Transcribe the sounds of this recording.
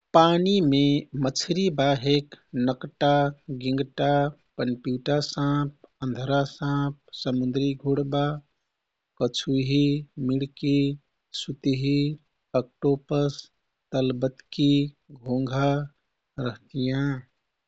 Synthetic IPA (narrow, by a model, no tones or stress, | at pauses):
panimemət͡ʃʰɾibaɦeknəkʈaɡĩŋɡʈapənpjuʈasãp̚ə̃nd̪ʱɾasãp̚səmund̪ɾiɡʱuɽba | kət͡ʃʰuɦimiɽki | sut̪ɦi | ək̚ʈopəs | t̪əlbət̪ki | ɡʱõŋɡʱa | ɾəɦt̪ijã